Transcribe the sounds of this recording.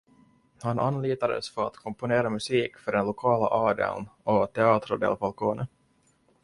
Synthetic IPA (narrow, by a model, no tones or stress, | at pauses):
hanʔa̰nliːt̪ad̪ə̰sfœɾa̰t̪kʰɔmpʊneːɾamɵsiːkfœɖɛnlʊkʰɑːla̰ʔɑːd̪ə̰lnɔt̪ʰɛɑːt̪ɾʊd̪ɛ̰ːlbalkʰoːnən